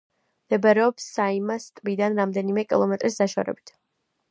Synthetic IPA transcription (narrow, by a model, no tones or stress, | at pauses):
md̪̥ɛbaɾɛɔpsːaimast̪ʼbid̪anɾamd̪ɛnimɛkʼilˠɔmɛt̪ʼɾisd̪aʃa̰ɾɛ̰bit̪ʰ